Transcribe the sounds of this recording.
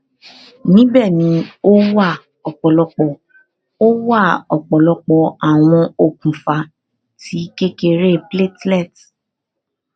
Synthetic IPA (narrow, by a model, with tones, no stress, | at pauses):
nĩ˨˦bɛ˦˨nĩ˨˧˦o˦wa˦˨ | ɔ˨k͡pɔ˨lɔ˧k͡pɔ˨ | o˦wa˦˨ɔ˨k͡pɔ˨lɔ˧k͡pɔ˨a˨w̃ɔ̃˧o˦˨kũ˨fa˨˧˦ | tʰi˨˦ke˦ke˧ɾe˦ple˦tlɛ˦˨t